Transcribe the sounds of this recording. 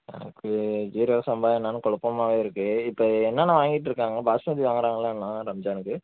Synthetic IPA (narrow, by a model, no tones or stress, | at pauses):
nɛ̰nɐ̰kːɯd͡ʒiːɾjoːɣɐsɐmbaːɛnːaːnɯ̃kɔɭɐpːɐmaːʋeːɪɾɯkːɯɪpːɐːɛnːaːnɐ̃ʋaːŋɡɪʈ̬ːɾɯkːaːŋɡɐbaːsmɐːd̪iʋaːŋɡɪɾaːŋɡɐlaːnːãːɾɐmd͡ʒaːnɯkːɯ